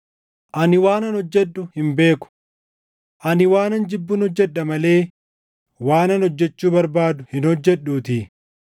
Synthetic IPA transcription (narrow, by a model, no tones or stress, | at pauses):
ʔɐnɪwaːnɐnhɔd͡ʒːɛɗːʊhɪmbe̞ːkʊ̥ | ʔɐnɪwaːnɐnd͡ʒɪbːʊnɔd͡ʒːɛᶑːɐmɐle̞ː | waːnɐnɔd͡ʒːɛt͡ʃːuːbɐɾbaːd̪ʊhɪnhɔd͡ʒːɛɗːuːt̪ɪ